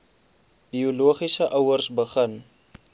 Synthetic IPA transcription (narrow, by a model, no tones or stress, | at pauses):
bioluəχisəʔəwərsbəχən